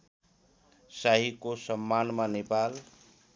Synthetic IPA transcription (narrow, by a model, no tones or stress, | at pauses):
saɦikosəmːanmanepal